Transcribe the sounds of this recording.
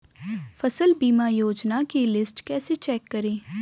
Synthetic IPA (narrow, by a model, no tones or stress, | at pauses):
fʰəsəlbiːmaːjoːd͡ʒnakelɪsʈkɛːset͡ʃɛːkːəɾeː